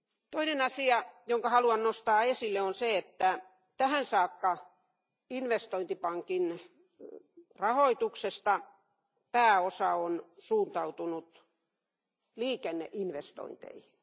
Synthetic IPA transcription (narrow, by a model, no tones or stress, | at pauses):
t̪oinenɑsiɑjoŋkɑhɑluɑnnost̪ɑːesilːeonseet̪ːæ | t̪æhænsɑːkːɑ | inʋest̪oint̪ipɑŋkin | rɑhoit̪uksest̪ɑ | pæːosɑonsuːnt̪ɑut̪unut̪ | liːkenːḛʔinʋest̪o̰int̪ḛihin